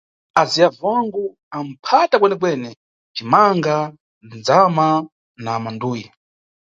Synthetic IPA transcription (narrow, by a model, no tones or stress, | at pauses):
aziavaŋɡu | am̩pʰatakwɛnɛk̬wɛnɛ | t͡ʃimaŋɡa | nd͡zama | namanduːji